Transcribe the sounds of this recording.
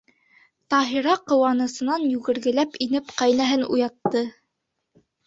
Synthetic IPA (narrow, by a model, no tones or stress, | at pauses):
t̪ɑɦiɾɑqɤ̆wɑnɤ̆sɤ̆nɑnjʉɣɘ̆ɾɡɘ̆læpinɘpqɑjnæɦɘnṵjɑt̪ːɤ